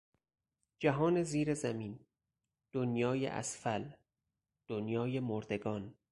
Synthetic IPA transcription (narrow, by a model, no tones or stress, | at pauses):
d͡ʒæɦɒːneziːɾezæmiːn | d̪̥onjɒːjḛʔæ̰sfæl | d̪̥onjɒːjemoɾd̪e̞ɡɒːn